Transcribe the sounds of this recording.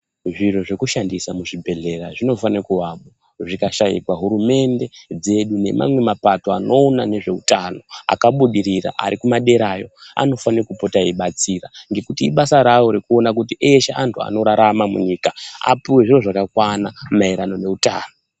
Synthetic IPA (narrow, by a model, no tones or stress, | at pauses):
ʐiro̞ʐe̞kuʃandisamuʐibʱe̞ɮe̞ɾaʐino̞fanekuwamo | ʐikaʃajḭkwaɦuɾume̞nde̞d͡ze̞ɗune̞̰mʔa̰mwe̞mapato̞ano̞ːnane̞ʐe̞utano̞a̰kaɓuɗiɾira̰ʔa̰ɾikumaɗe̞ɾajo̞a̰no̞fanekupo̞taiɓat͡siraŋɡe̞kutiːɓasaɾawo̞ɾikuo̞nakut̬iʔeʃeʔantʰua̰no̞ɾaɾamamuɲikaa̰piwe̞ʐiro̞ʐakakwanamaiɾano̞ne̞utaːno